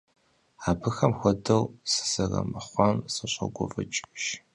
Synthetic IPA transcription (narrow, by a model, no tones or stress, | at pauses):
aːbɨxɐmxʷɔdɐwsɨ̥sɐrɐ̰mɨχʷɑnsɨɕʷʼɐ̰ɡʷɔvɐt͡ʃʼʃ